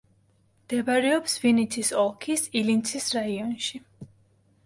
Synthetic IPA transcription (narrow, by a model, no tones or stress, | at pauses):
md̪̥ɛbaɾɛɔpsvinit̪ʰisɔlˠkʰisilint̪sʰisɾaiɔnʃi